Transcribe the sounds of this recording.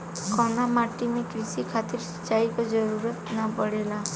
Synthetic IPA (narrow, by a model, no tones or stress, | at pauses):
kɔnamaʈimekɾisikʰat̪iɾsɔ̥t͡ʃaikɔd͡ʒɔɾuɾɔt̪nɔpɔɽela